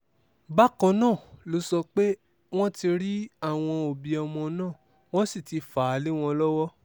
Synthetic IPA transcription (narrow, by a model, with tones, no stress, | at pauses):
ba˦kɔ̃˧nãː˦˨lo˨˦sɔ˧k͡pe˦ | w̃ɔ̃˦ti˧ɾi˦a˦˨w̃ɔ̃˧o˨bi˨ɔ˨mɔ̃˧nãː˦˨ | w̃ɔ̃˦si˦˨ti˨˧faː˨˦le˦w̃ɔ̃˧lɔ˦wɔ˦